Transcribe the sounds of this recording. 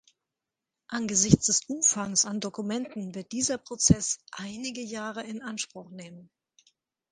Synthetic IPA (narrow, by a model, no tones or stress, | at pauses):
ʔanɡəzɪçt͡sd̥ɛsʔʊmfaŋsandokumɛntn̩vɪɐt̚d̥iːzɐpʁ̥ot͡sɛsʔaɪnɪɡəjaːʁ̞əɪnʔanʃpʁ̥ʊχneːmən